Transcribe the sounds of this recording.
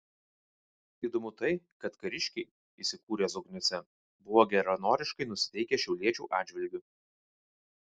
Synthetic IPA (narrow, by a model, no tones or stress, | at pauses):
iːd̪ɔmʊt̪ɐɪkɐt̪kɐɾʲɪʃʲkʲɛɪ | iːsʲɪkuːɾʲeːzɔɡnʲʊsʲɛ | bʊʋoːɡʲɛɾɐnoːɾʲɪʃkɐɪnʊsʲɪ̥t̪ʲɛɪkʲɛʃʲɛʊlʲiɛt͡ʃʲṵːʔɑːd͡ʒʲʋʲɪlʲɡʲʊ